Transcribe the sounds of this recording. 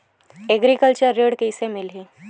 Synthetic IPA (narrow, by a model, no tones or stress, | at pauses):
ɛɡɾikəlt͡ʃəɾːeːɽkeɪsemɪlɦiː